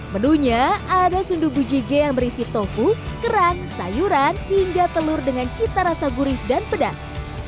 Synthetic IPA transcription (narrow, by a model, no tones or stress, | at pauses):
mənuɲaadasundubud͡ʒiɡejaŋbəɾisit̪ofukəɾaŋsa̰juɾanhiŋɡat̪əlʊrdəŋant͡ʃit̪aɾasaɡuɾɪhdanpədas